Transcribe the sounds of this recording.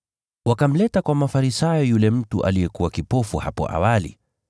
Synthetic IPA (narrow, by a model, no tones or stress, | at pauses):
wakam̩lɛtakwamafaɾisajɔjulɛm̩tṵʔa̰lijɛkuwakipɔfuha̰pɔ̰ʔa̰walḭ